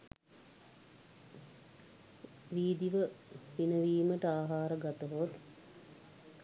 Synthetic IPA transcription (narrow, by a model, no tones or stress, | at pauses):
ʋiːd̪iʋəʋinəʋiːməʈəaːɦaːɾəɡat̪əɦot̪